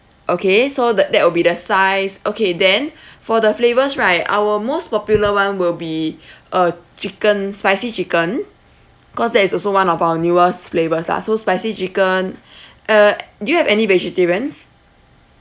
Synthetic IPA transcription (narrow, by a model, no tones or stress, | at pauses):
ʔokesodədɛt̚wilbidəsaɪsʔokedɛ̃nfɔdəflevəsɹaɪta̰wəmospɔpjuləwãnwilbiʔət͡ʃikə̃nspaɪsit͡ʃikə̃n | bikɔsdɛtisɔlsowãnɔfawənjuəsflevəsla̰sospaɪsit͡ʃikə̃n | ədujuhɛvɛnivɛd͡ʒitiɹə̃ns